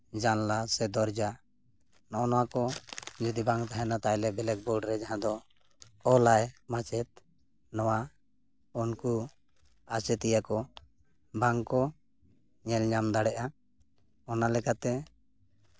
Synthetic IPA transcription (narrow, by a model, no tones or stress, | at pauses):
d͡ʒanlasɛd̪ɔɾd͡ʒa | nɔʔɔnɔwakɔd͡ʒud̪ibaŋt̪aɦɛnat̪ajlɛbɛlɛk̚bɔɖɾɛd͡ʒaɦãd̪ɔ | ɔlajmat͡ʃɛt̪̚ | nɔwa | unku | at͡ʃɛt̪ɛjakɔ | baŋkɔ | ɲɛlɲamd̪aɽɛʔa | ɔnalɛkat̪ɛ